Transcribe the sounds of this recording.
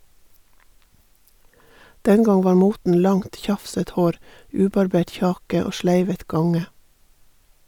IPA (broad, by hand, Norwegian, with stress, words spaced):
ˈdɛn ˈɡɑŋ ˈʋɑːɾ ˈmuːtn̩ ˈlɑŋt ˈçɑfsət ˈhoːɾ ˈʉːbɑɾˌbeːʈ ˈçɑːkə ˈoː ˈʃlæɪʋət ˈɡɑŋə